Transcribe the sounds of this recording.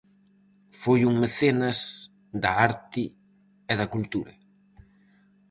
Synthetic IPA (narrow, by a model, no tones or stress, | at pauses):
fojuŋmeθenɐs | d̪ɐaɾt̪ɪ | ɛðɐkult̪uɾɐ